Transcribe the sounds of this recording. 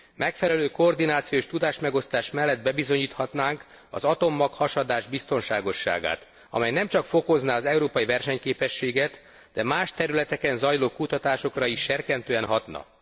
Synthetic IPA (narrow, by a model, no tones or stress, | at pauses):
mʔɛkfɛlɛløːkoːrd̪inaːt̪sijoeːʃt̪ud̪aːʃmɛɡo̞st̪aːʃmɛlːɛd̪̚bɛbizo̞ɲiːt̪hɒt̪naːŋk | ɒ̰zɒt̪o̞mːɒkhɒʃɒd̪aːʒbist̪o̞nʃaːɡo̞ʃːa̰ːɡa̰ːt̪ | ɒ̰mɛjnɛmt͡ʃɒkfo̞ko̞znaɒzɛuɾoːpɒjivɛrʃɛɲkeːpɛʃːeːɡɛt̪ | d̪̥ɛmaːʃt̪ɛɾylɛt̪ɛkɛnzɒjloːkut̪ɒt̪aːʃo̞krɒiʃːɛrkɛnt̪øːɛnɦɒt̪nɒ̰